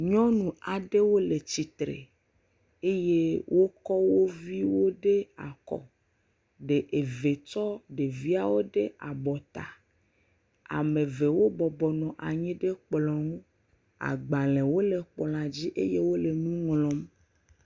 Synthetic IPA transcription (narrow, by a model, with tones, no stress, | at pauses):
ɲɔ̃˦nũ˨a˨ɖe˦wo˦le˨t͡ɕi˨t̪ɾḛ˨ | e˦je˦wʔo˦kɔ˦wo˦vi˦wo˦ɖe˦a̰˨kɔ̰˨ | ɖe˨ʔe˨ve˨t͡ʃɔ˦ɖe˨vi˦a˦wo˦ɖe˦a˨bɔ˨t̪a̰˨ | a̰˨mẽ˨ve˨wo˦bɔ˨bɔ˨nɔ̃˨ʔa˨ɲĩ˦ɖe˦k͡plɔ̃˨ŋo˦ | a̰˨ɡ͡ba˨lẽ˨wo˦le˨k͡pl̃a˨d͡ʑi˦ʔe˦je˦wo˦le˨nũ˦ŋlɔ̃˦m